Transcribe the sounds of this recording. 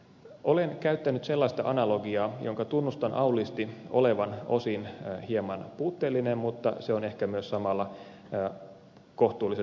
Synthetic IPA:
ʔolenkæyt̪ːænyt̪selːɑist̪ɑ̰ʔɑnɑloɡiɑːjoŋkɑt̪unːust̪ɑnʔɑulist̪iʔo̰leʋɑno̰sinhiemɑnpuːt̪ːeːlːinemːmut̪ːɑ̰seone̞hkæmyøssɑmɑlːɑ | koht̪uːlːise

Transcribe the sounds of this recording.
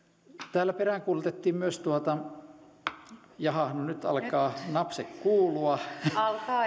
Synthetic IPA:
t̪æːlːæperæˑŋkuːlut̪et̪ːiːmmyøst̪uot̪ɑ | jɑhɑhnunyt̪ɑ̰lkɑːnɑpsekkuːluɑɑlkɑː

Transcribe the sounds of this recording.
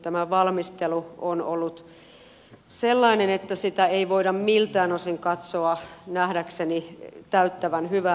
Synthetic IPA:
t̪æmæʋɑlmist̪eluonolːut̪ | selːɑinenet̪ːæsit̪æeiʋoiɾɑmmilt̪æːnosiŋkɑt̪soɑnæhɾæksenit̪æyt̪ːæʋænhyʋæ

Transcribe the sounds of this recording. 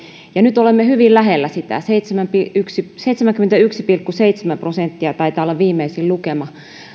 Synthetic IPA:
jɑnyt̪olemːehyʋillæɦelːæsit̪æ̰seit̪semæmpiyksiseit̪semæŋkymːent̪æyksipilkːuseit̪semæmprosent̪ːiɑt̪ɑit̪ɑːolːɑʋʋiːmːˑeisillukemɑ

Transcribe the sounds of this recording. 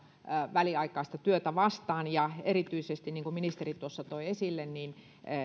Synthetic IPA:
ʋæliɑikˑɑist̪ɑt̪yøt̪æʋɑst̪ɑːnjɑerit̪yisest̪inniːŋkuminist̪erit̪uosːɑt̪oiesilːenniːn

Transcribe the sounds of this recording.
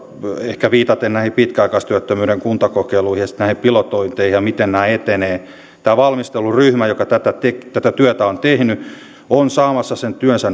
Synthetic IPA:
ehkæʋiːt̪ɑt̪ennæˑihipit̪kæɑikɑist̪yæt̪ːømyːɾeŋkunt̪ɑkokeiluihjɑsi̥t̪næˑihipilot̪oint̪eihjɑmit̪ennæːet̪eneː | t̪æːʋɑlmist̪elːuryhmæjokɑt̪æt̪æt̪ekt̪æt̪æt̪yæt̪æont̪ehny | onsɑːmɑsːɑsent̪yønsæn

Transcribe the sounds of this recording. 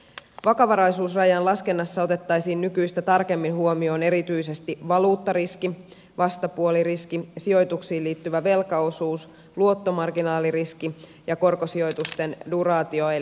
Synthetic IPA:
ʋɑkɑʋɑɾɑjsuːsrɑjɑnlɑske̞nːɑsːɑo̞t̪e̞t̪ːɑjsiːnːykyjst̪æt̪ɑrke̞mːinɦuomio̞ːne̞ɾit̪yise̞st̪iʋɑluːt̪ːɑɾiski | ʋɑst̪ɑpuoliriskisio̞jt̪uksiːliːt̪ːyʋæʋe̞lkɑo̞suːs | luo̞t̪ːo̞mɑrɡinɑːliriski | jɑko̞rko̞sio̞jt̪ust̪e̞ndurɑːt̪ioe

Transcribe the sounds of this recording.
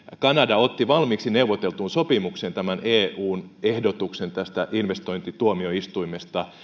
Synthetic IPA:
kɑnɑdɑot̪ːiʋɑlmiːksineuʋot̪elt̪uːnsopimuksent̪æmæneːuːnehdot̪uksent̪æst̪æʔinʋest̪oint̪it̪uomioist̪uimest̪ɑ

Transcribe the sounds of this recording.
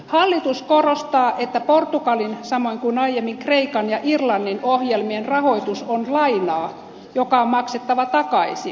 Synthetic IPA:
hɑlːit̪uskorost̪ɑːʔet̪ːæport̪ukɑlinsɑmo̞iŋkunɑijemːiŋkreikɑnjɑʔirlɑnːinohjelmienrɑho̞it̪usonlɑinɑː | jokɑommɑkset̪ːɑʋɑt̪ɑkɑisi

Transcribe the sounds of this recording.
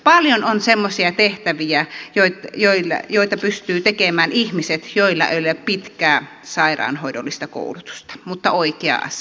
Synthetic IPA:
pɑljononsemːosiɑt̪eht̪æʋiæjoit̪joil̰joit̪ɑpyst̪yːt̪ekemæːnihmiset̪joilːɑ̰ʔḛˑlepit̪kæː | sɑˑirɑ̰ːnhoidolːist̪ɑko̰ˑulut̪u̥st̪ɑ̥mut̪ːɑoikeɑ̰ʔɑ̰s

